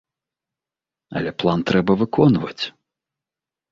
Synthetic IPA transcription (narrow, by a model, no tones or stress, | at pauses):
ɐ̰lʲɛplˠant̪ɾɛbɐvɨkʰɔnvɐ̰t͡sʲ